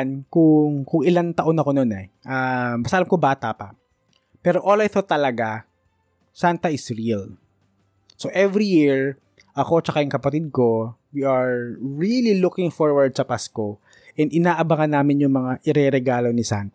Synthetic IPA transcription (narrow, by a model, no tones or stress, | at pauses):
nkʊŋkʊŋɪlant̪ɐʔo̞nɐko̞nonɛʔambɐst̪ɐʔlamkobaːt̪apɐ | pɛːɾo̞ʔolajθot̪ɐlɐɡa | sant̪ɐʔɪsɹil | soʔɛvɾijiɹ | ʔɐko̞t͡ʃɐkajɪŋkɐpɐt̪ɪd̪̚ko̞wiʔɐɹɹililʊkɪŋfoɹwɐɹd̪̚sɐpasko | ʔɛnd̪ɪnaːʔɐbaŋɐnːaːmɪnjʊŋmɐŋaʔɪɾɛɾɛɡaːlo̞nɪsa̰nt̪